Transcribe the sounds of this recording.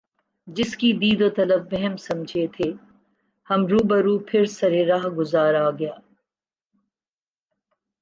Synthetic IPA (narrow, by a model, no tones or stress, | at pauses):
d͡ʒɪskid̪iːd̪oːt̪ɐləbːɛɦɛmsɐmd͡ʒʱet̪ʰeː | hɐmɾuːbɐɾuːpʰɪɾsɐɾeɾaːɦɡʊzaːɾaɡɐjaː